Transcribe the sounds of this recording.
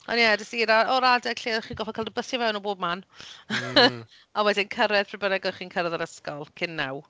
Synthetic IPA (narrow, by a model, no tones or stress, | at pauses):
ɔ̰njɛdəsiɾaɔɾadɛɡ̥ɬiːχiːnɡɔfɛkʰalˠdəbəsjavɛwnɔboːb̚man | awɛdɪnkʰəɾɛð̥pʰrɪbənɛɡɔχiːnkʰəɾɛðəɾəskɔlˠkʰɪnːaw